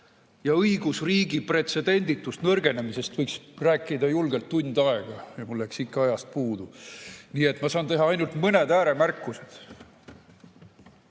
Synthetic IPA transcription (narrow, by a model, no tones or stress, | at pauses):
jɑɤjɡ̥usriːɡipre̞t̪se̞d̪̥e̞nʲd̪̥it̪ːˑust̪nɤrɡe̞ne̞mise̞st̪vɤjksræːkːˑid̪ɑjulɡe̞lt̪ːunʲd̪ɑe̞ɡ̥ɑjɑmulːæksikːɑɑjɑst̪̚puːd̪uniːe̞t̪mɑsɑːnt̪e̞ɦɑɑjnult̪mɤne̞d̪æːɾe̞mærkːˑuse̞d̪̥